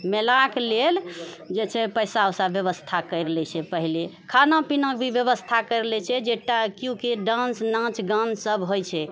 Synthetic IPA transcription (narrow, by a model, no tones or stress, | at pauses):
melakleld͡ʒet͡ʃʰɛpəjsaosabjəβəst̪ʰakəjɾlɛt͡ʃʰɛpəɦilekʰanapinək̚bʱibjəβəst̪ʰakəjɾlɛt͡ʃʰɛd͡ʒeʈakjũkeɖãnsnãt͡ʃɡãnsəbɦojt͡ʃʰɛ